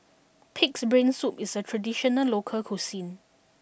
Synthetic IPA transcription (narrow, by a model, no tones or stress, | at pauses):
pʰiksbɹẽnsupisətʰɹədiʃɔnəlokʰəlkʰosĩn